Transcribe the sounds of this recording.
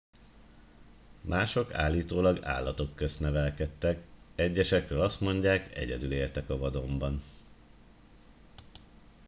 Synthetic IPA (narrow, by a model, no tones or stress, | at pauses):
mʔaːʃo̞ka̰ːlːiːt̪oːlɒɡa̰ːlːɒt̪o̞kːøst̪nɛvɛlkɛt̪ːɛkɛɟːɛʃɛkrøːlɒst̪mo̞ɲɟaːkɛ̰ɟɛd̪yleːlt̪ɛkɒvɒd̪o̞mbɒn